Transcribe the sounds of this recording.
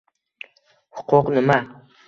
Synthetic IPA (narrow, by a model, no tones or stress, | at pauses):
hʊqʊqnɪma